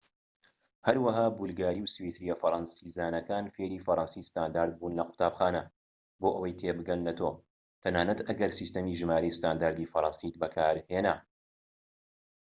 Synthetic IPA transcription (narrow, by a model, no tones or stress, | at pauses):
hɐɾwɐɦaːbulɡaːɾiːwswet̪ɾijɛfɐɾˤɑnsiːzaːnɐkaːnfeːɾiːfɐɾɑnsiːsɨ̥t̪aːnd̪aːɾd̪̚buːnlɐqʊ̥t̪aːbxaːnɐ | boːʔɐwɐjt̪ʰebɨɡɐlnɐt̪ʰoː | t̪ʰɐnaːnɐt̪ʔɐɡɐɾsist̪ɐmiːʒɨmaːɾejsɨ̥t̪aːnd̪aːɾd̪ifɐɾˤɑnsit̪bɐkʰaːɾheːna